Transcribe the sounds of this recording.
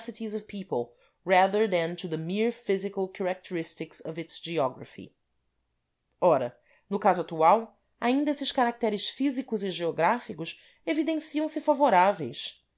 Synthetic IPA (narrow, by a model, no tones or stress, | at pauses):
sɪtizɔvpʰipolˠ | ɹɛðə˞ðɛ̃ntuðəmiɹfizikɐlˠkʰaɾak̚t̪eɾist̪ɪksʌvɪtsd͡ʒiɔɡɾɐ̰fḭ | ɔɾɐ | nʊkazʊat̪uaw | aĩnd̪ɐesɪʃkaɾak̚t̪ɛɾɪʃfizikʊzɪʒeoɡɾafikʊʃ | evid̪ẽsiɐ̃w̃sɪfavoɾavejs